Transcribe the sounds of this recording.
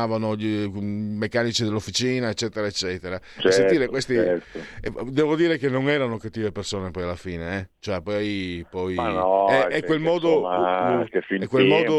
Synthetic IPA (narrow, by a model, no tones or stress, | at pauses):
aːvanoʎimekːaːnit͡ʃid̪elːofːit͡ʃiːnaet͡ʃːɛːt̪eɾaet͡ʃːɛːt̪eɾat͡ʃsent̪iːɾekwest̪iɛ | d̪ɛːvod̪iːɾekenːoŋɛːɾanokat̪ːiːvepersoːnepɔjalːafiːneɛt͡ʃoɛpɔjpɔjanɔɛɛkwelmɔːd̪o | kefikːwelmɔːd̪o